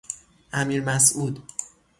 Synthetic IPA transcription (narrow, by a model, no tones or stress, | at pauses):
ʔæmiːɾmæsʔuːd̪